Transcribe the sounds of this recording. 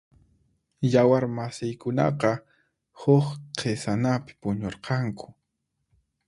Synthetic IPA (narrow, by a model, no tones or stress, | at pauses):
jawaɾmasɪjkʊnɑ̰qɑ | hʊχqʰesanapɪ̥pʊɲoɾqɑŋkʊ̥